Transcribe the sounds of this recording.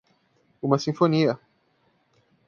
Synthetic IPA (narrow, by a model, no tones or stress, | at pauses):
ũmɐsĩfoniɐ